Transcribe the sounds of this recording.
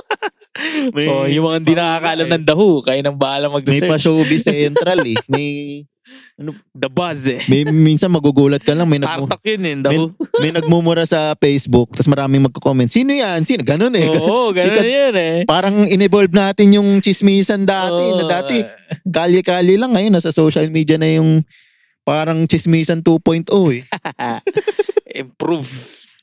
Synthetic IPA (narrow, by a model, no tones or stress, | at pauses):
mɐojʊmɐŋaɪnd̪inɐkaːkɐʔɐlɐmnɐŋd̪ɐhukajɪnɐŋbɐalɐŋmɐɡ̚ɾɛmɐjpɐʃowbisɛnt̪ɾɐlɛmɐj | ʔɐnod̪ɐbasɛmɐjminsɐnmɐɡuɡuːlɐt̪̚kɐlɐŋmɐjnɐaɡt̪ɐk̚jonɛnd̪ɐmjʊmɐjnɐɡ̚mumʊɾasɐpɛjsbʊk̚t̪ɐsmɐɾaːmɪŋmɐɡ̚kokoːmɛnt̪siːnojɐnsiːnoɡɐno̞nɛɡɐɡɐikɐjonɛpaːɾɐŋʔɪnɪbolb̚naːt̪ɪnjʊŋt͡ʃɪsmiːsɐnd̪aːt̪ɛnɐd̪aːɛkaːljɛkaːljɛlɐŋːɐjonːɐsɐsoːʃɐlmiːd̪jɐnɐjʊŋ | paːɾɐŋt͡ʃɪsmiːsɐnt̪uːpojnt̪ʔoɛ | ʔɪmpɾuv